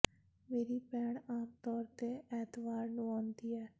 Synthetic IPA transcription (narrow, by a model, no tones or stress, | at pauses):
meːɾiːpɛːɳaːmt̪ɔːɾt̪eɛːt̪ʋaːɾnũːɔːnd̪iːɛː